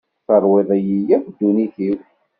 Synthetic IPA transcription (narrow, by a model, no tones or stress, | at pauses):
θəɾˤwiðˤæjijæfd̪ːuniθiw